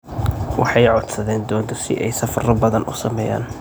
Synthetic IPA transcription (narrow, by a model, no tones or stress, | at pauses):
wɑħɑjʕɔd̪sɐðɛːnd̪ɔːnd̪ɪrsɪ̰ʔɛjsɐfɐrɐbɐðɐnʔʊ̰sɐmɛːja̰ːn